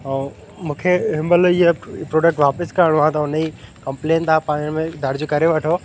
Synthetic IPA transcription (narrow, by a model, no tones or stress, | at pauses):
ɛ̃ː | mũːkʰeɦɪmbəliɦəpɾoːɖək̚ʈʋaːpɪskɐɾəɽ̃ʋãt̪aɦʊnikɐ̃mpleːnt̪aːpãːɲ̃mẽd̪ʱɐɾd͡ʑokɐɾeʋɐʈʰoː